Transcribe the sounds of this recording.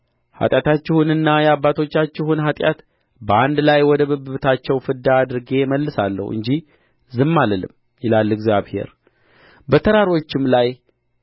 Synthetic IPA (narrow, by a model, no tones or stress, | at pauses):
ha̰t̪ʼjat̪ʰat͡ʃːɪhunɨnːajɛabːat̪ʰo̞t͡ʃːat͡ʃːɪɦunɦat̪ʼjat̪ | bəand̪lajwɔd̪əbəbɨβt̪ʰat͡ʃːɛwfɨd̪aːd̪ɨɾɡe̞məlːɨsalːə̰huɨ̰ɲd͡ʒih | zɨmːaləlɨ̰mː | jɪlalːɨɡzjaβhe̞̰ɾ | bət̪ʰəɾaɾo̞t͡ʃːɪmlaj